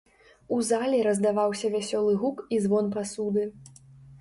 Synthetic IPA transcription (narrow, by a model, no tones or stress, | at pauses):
uzalʲɛɾɐzd̪avawsʲɐvʲasʲɔlˠɨɣukizvɔnpasud̪ɨ